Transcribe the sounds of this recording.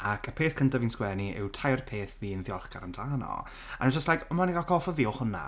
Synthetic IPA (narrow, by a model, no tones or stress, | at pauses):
akʰəpʰeːθkʰəntaviːnskwɛniʔɪ̰wtʰajrpʰeːθviːənθjɔlˠχkaɾəmtʰaːnɔ̰ | a̰nɛd͡ʒəstlajkɔmaniɡalkʰɔlfɔviːɔhʊna̰